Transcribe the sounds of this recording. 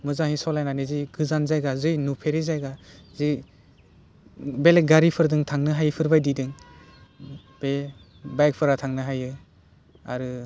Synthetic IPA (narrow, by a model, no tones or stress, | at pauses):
mɯzaŋhisɔlajnaniziɡɯzanzajɡazɯjnupʰeɾizajɡazi | beleɡaɾipʰɯɾdɯŋtʰaŋnɯɦajɯpʰɯɾbajdidɯŋ | b̥e | bajk̚pʰɯɾatʰaŋnɯɦajɯ | a̰ɾɯ